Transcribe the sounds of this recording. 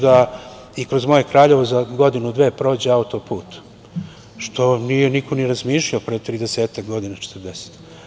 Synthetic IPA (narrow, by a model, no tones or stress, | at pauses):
d̪a | ikɾo̞zmo̞je̞kɾaːʎe̞ʋo̞zaɡo̞d̪inud̪ʋe̞ːpɾo̞ːd͡ʑeaut̪opuːt̪ | ʃt̪o̞nijenikʰoniɾazmiːʃʎaopɾet̪ɾid̪eseːt̪akɡo̞d̪inat͡ʃe̥t̪ɨɾd̪ese̥t̪